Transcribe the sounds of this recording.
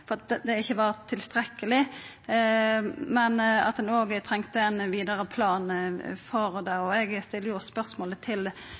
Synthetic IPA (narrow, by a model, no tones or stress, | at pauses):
fɔɾɑt̪̚d̪ɛd̪ɛɪçːəʋɑːʁt̪ʰːɪlst̪ɾɛkːəlɪ | mɛnɑ̰t̪̚d̪ɛnoːɡət̪ʰɾɛŋkt̪əɛnʋiːd̪əɾəpʰlɑːnfɔʁd̪ɛɔɛɡst̪ɪlːəjʊspœʁsmoːlət̪ʰɪl